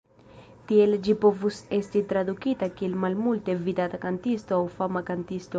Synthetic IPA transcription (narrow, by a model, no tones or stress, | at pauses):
tie̞ld͡ʒipo̞vuse̞stit̪ɾad̪ukitakie̞lmalmulte̞vid̪at̪akantistoawfamakant̪ist̪o